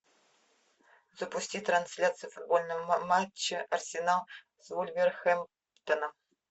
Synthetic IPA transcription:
zəpʊsʲtʲit̪ɾansʲlʲat̪sɨjfud̪̚bolʲnəvmat͡ɕːɪʔɐrsʲɪnalˠ | zvulʲvʲerxɛm | t̪ənə

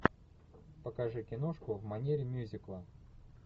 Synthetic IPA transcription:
pəkɐʐɨkʲɪnoʂkʊvmɐnʲeɾʲɪmʲuzʲɪklˠə

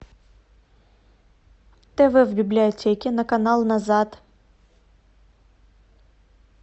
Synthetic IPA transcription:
t̪ɛvɛvbʲɪblʲɪɐtʲekʲɪnəkɐnalˠnɐzat̪

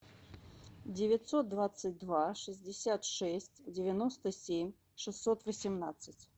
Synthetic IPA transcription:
dʲɪvʲɪt̪sot̪̚d̪vat̪sɨt̚ʲd̪vaʂɨzʲdʲɪsʲat̪ʂɛsʲtʲdʲɪvʲɪnost̪əsʲemʲ | ʂɨsːot̪vəsʲɪmnat̪sɨtʲ

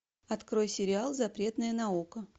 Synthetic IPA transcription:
ɐt̪kɾo̞jsʲɪɾʲɪalˠzɐpɾʲe̞t̪nəjənɐukə

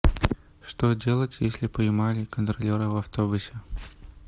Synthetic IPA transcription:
ʂt̪ɔd͡zʲelˠɐt͡sʲjesʲlʲipɐjmalʲɪkənt̪ɾɐlʲɛɾɨvɐft̪ɔbʊsʲɛ

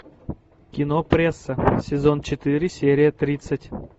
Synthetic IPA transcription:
kʲɪnopɾʲesːəsʲɪzont͡ɕɪt̪ɨɾʲɪsʲeɾʲɪjət̪ɾʲit̪sətʲ

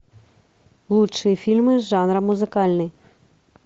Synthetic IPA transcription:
lˠutʃɪjifʲilʲmɪʒɑnɾɐmːʊzɪkɑlʲnɪj

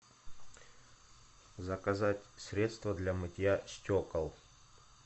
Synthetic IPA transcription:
zəkɐzatʲsɾʲe̞t̪st̪vəd̪lʲamɨtʲɪjasʲtʲokəlˠ

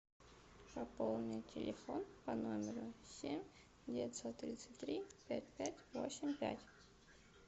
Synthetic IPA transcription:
pɐpolˠnʲɪtʲʰɪlʲɪfonpɐnomʲɪɾʊsʲemʲ | dʲɪvʲɪtʲsot̪ːɾʲit̪sɨ̥tʲt̪ːɾʲipʲæt̚ʲpʲætʲvo̰sʲɪmʲpʲæ̰tʲ

